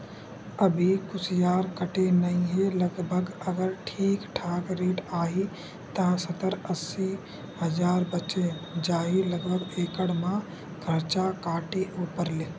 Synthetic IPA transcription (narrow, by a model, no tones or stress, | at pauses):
əbʱikʊsjaːɾkəʈenɐĩɦeləɡbʱəɡəɡəɾʈʰiːkʈʰaːkɾeːʈaːɦi | t̪asɐt̪əɾəsi | hɐd͡ʒaːɾbət͡ʃed͡ʒaːɦiləɡbʱəɡeːkəɽmã | ɡʱəɾt͡ʃakaːʈeʔoːpəɾle